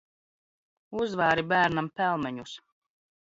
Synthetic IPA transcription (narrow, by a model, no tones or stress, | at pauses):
uzvaːɾibæːɾnampælˠmɛɲus